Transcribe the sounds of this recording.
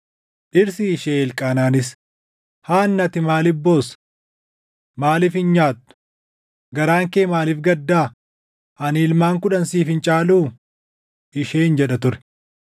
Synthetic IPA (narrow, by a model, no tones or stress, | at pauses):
ʔɪɾsɪːʃeːɛlkʼaːnaːnɪs | haːnːɐt̪ɪmaːlɪfbːo̞ːs | maːlɪfhɪnɲaːt̪ːʊ̥ | ɡɐɾaːŋkeːmaːlɪfɡɐd̪ːaː | ʔɐniːlmaːŋkʊᶑɐnsiːfɪnt͡ʃʼaːluː | ɪʃeːɪnd͡ʒɛᶑɐt̪ʊɾɛ̥